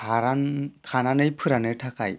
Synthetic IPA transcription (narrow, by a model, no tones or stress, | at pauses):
aɾankʰananɯjpʰɯɾanɯtʰakʰa̰j